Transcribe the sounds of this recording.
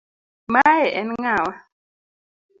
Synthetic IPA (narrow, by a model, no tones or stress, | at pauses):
majɛʔɛnŋaːwa